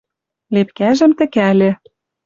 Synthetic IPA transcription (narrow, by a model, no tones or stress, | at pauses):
lepkæʒɘ̆mt̪ɘ̆kælʲĕ